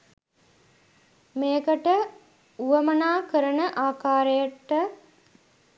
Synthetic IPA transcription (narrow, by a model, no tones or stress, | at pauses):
meːkəʈə | uʋəmənaːkəɾənəʔaːkaːɾəjəʈːə